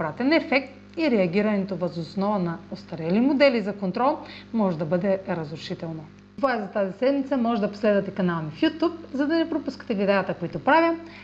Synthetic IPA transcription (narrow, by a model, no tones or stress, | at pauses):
bɾat̪ɛnɛfɛk̚t̪ | iɾɛɐɡ̟ʲiɾɐnɛt̪ovɐzosnɔvənɐost̪ɐɾɛlimod̪ɛlizɐkont̪ɾɔlˠmɔʒɛd̪ɐbɤd̪ɛɾɐzɾuʃit̪ɛlˠno | vaɛzɐt̪azisɛd̪mit̪səmɔʒɛd̪ɐpo̥slɛd̪vɐt̪ɛkɐnalˠnifjut̪up̚zɐd̪ɐnɛpɾopuskə̥t̪ɛlid̪ɛjɐt̪əkoit̪opɾavʲjə